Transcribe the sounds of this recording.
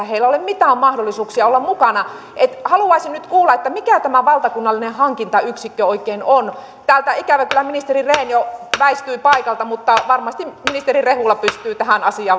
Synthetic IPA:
heilːæolemmit̪æːmmɑhdolːˑisuːksiɑolːɑmmukɑnɑ | et̪hɑluɑisinnyt̪kuːlːɑet̪ːæmikæt̪æmæʋɑlt̪ɑkunːɑlːinehɑŋkint̪ɑyksikːøoikːˑeinon | t̪æːlt̪æikæʋækylːˑæminist̪erireːnjoʋæist̪yipɑikɑlt̪ɑmut̪ːɑʋɑrmɑst̪imminist̪erirehulːɑpyst̪yːt̪æhænɑsiɑː

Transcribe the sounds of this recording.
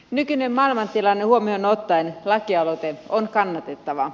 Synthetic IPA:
nykyne̞mːɑilmɑnt̪ilɑnːehuomionot̪ːɑenlɑkiɑlot̪eonkɑnːɑt̪e̞t̪ːɑʋɑ

